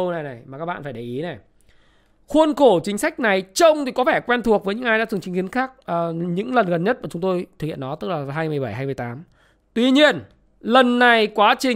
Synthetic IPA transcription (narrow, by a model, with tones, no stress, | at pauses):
na˨˩jnɛ˨˩jmaː˨˩kaː˦˥kɓa̰ː˧˨faː˧˩jɗə˧˩jʔi˨˦nɛ˨˩ | xwu˧ənko˧˩t͡ɕï˨˦ŋ̟sa˦˥jk̟̚na˨˩jt͡ɕə˧wŋ͡mt̪ʰi˨˩kɔ˨˦vɛ˧˩kwɛ˧nt̪ʰu˨˩ək̚vəː˨˦ɲɨ̰˧˥ŋʔaː˧jzaː˧˥˨t͡ɕi˨˦ŋ̟xi˨˦ənxaː˦˥k̚ʔːɲɨ̰˧˥ŋlə˨˩nɣə˨˩nɲə˦˥t̚maː˨˩t͡ɕʊ˨˦ŋ͡mt̪o˧jt̪ʰɨ˨˩k̚hḭ˧˨ə˨nɔ˨˦t̪ɨ˦˥k̚laː˨˩ɦaː˧jmɨ˨˩əjɓa˧˩jhɦaː˧jmɨ˧˩ə˩jt̪aː˨˦m | t̪wi˧ɲi˧ən | lə˨˩nːa˨˩jkwaː˨˦t͡ɕï˨˩